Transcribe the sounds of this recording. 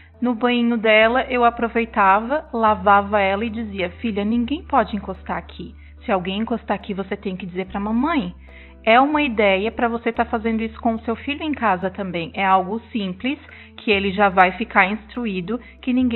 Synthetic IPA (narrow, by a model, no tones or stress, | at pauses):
nʊbɐ̃ĩɲʊd̪ɛlɐʔewapɾovejt̪avɐlavavɐɛlɐɪd͡ʒiziɐfiʎɐnĩŋɡẽj̃pɔd͡ʒɪĩŋkost̪aakʰi | sɪawɡẽj̃ĩŋkost̪akivoset̪ẽj̃kɪd͡ʒizeɾpɾɐmɐ̃mɐ̃j̃ | ɛũmɐid̪ɛjɐpɾɐvoset̪aɾfazẽnd̪ʊisʊ̥kõʊsewfiʎʊẽkazɐt̪ɐ̃mbẽj̃ɛawɡʊsĩplɪs | kʰɪelɪʒavajfikaɾĩst̪ɾuid̪ʊ | kɪnĩŋɡe